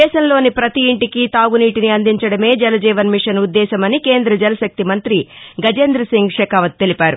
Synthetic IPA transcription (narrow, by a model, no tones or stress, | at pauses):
ɛːʃɐmlo̞ːnipɾɐt̪iiɳʈikit̪aːɡuniːʈiniɐnd̪iɲt͡ʃɐɽɐme̞ːd͡ʒɛlɐd͡ʒɛːʋɐnmiʂɐnud̪ːɛːʃɐmɐnike̞ːnd̪ɾɐd͡ʒɛlɐʃɐk̚t̪imɐnt̪ɾiɡɐd͡ʒeːnd̪ɾɐsiŋɡʂɛːkaːʋɐt̪̚t̪elipaːɾu